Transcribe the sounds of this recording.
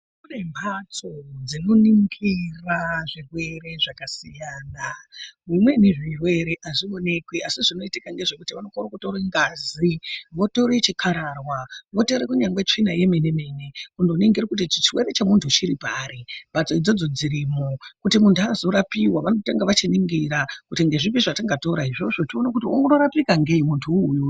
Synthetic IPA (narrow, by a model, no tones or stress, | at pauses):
unembʱat͡sod͡zinoniŋɡiraʐirwe̞ɾe̞ʐakasijaːnamimwe̞niʐirwe̞ɾe̞ʔaʐio̞ne̞kwiʔasiʐino̞itikaŋɡe̞ʐe̞kutiʋano̞korokutoɾeŋɡaːziʋo̞to̞ɾet͡ʃikʰaɾarwaʋo̞toɾekuɲaŋɡwet͡ʂinaje̞meneme̞ne̞undoniŋɡiɾakutit͡ʃit͡ʃrwe̞ɾe̞t͡ʃemuntʰut͡ʃiɾipaːɾeb̥at͡soid͡zo̞d͡zo̞d͡ziɾimokutimuntuazo̞ɾapiwaʋanotaŋɡaʋat͡ʃiniŋɡiɾakutiŋɡe̞ʐipiʐataŋɡato̞ɾaiʐo̞ʐo̞tionakutioŋɡonoɾapikaŋɡeimuntʰuːju